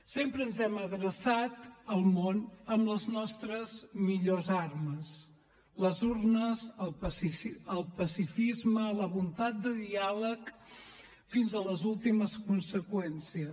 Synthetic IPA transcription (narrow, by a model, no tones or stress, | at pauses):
sempɾəːnzɛməɣɾəsat̪əlˠmonəmbləznɔst̪ɾəzmiʎozarməs | ləzurnəzəlˠpəsisəlˠpəsifizmələβunt̪at̪̚d̪əðialək | finzələzulˠt̪iməskunsəkwɛnsiə